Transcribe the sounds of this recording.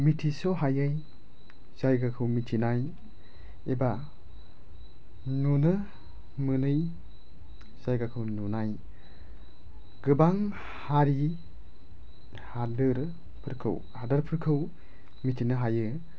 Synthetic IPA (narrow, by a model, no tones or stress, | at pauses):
mitʰisɔɦajɯj | z̥ajɡakʰɯwmitʰinaj | eba | nunɯ | mɯnɯj | z̥ajɡakʰɯwnunaj | ɡɯbaŋ | haɾi | hadɯɾ | pʰɯɾkʰɯ̰w | hadɯɾpʰɯɾkʰɯw | mitʰinɯɦajɯ